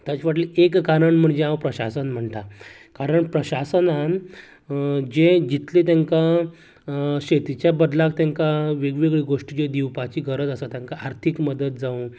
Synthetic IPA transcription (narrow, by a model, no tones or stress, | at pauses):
t̪jat͡ɕiʋaʈliekːaɾəɳm̤əɳd͡ʑẽãwpɾəɕa̰sənm̤əɳt̪a | kaɾəɳpɾəɕasənan | d͡ʑed͡ʑit̪let̪aŋka | ɕet̪it͡ɕjabəd̪lak̚t̪ãŋkaʋeɡʋeɡɭiɡoʂʈit͡ɕed̪iwpat͡ɕiːɡʱəɾəd͡z̪əsat̪jãŋkaaɾt̪ʰikməd̪ət̪̚d͡zaũ